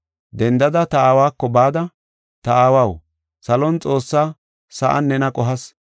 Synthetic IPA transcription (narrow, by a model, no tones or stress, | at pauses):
d̪ɛnd̪ɐd̪ɐt̪ɐaːwaːkːɔbaːd̪ɐ | t̪ɐaːwɐw | sɐlɔnt͡sʼo̞ːsːaː | sɐʔɐ̰nːɛnɐkʼɔɦɐs